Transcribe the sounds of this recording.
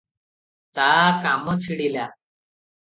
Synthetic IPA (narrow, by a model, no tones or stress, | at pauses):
t̪aːkamot͡ɕiɽila